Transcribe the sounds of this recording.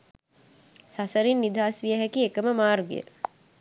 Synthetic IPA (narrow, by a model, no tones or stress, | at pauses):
sasəɾinːid̪ʱaːsʋijəɦækiekəməmaːrɡḭjə̰